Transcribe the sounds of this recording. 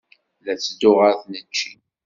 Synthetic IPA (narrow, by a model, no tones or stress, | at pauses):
læt͡sːd̪ʊʁəθnət͡ʃːi